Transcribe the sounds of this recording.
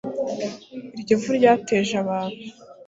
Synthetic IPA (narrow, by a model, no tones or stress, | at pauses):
iɾɟovuɾɟaːteːʒaβaːn̥u